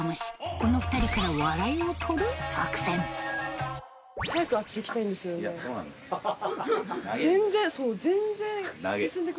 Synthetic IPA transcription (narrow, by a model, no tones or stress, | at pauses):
amoɕi̥ko̞no̞ɸɯ̟̥t̪aɾʲikaɾaβaɾainotʰoɾosa̰kɯ̥sẽn | sajakɯat͡ɕːiːkʲi̥t̪aĩnd̪esɨjone | zẽnzẽsoːzẽ̞nd͡zẽɰisɨ̃nd̪ek